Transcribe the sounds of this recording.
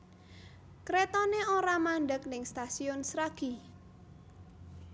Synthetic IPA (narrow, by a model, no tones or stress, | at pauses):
kɾet̪ɔneoɾamaɳɖək̚nɪŋst̪asiʊnsɾaɡ̥i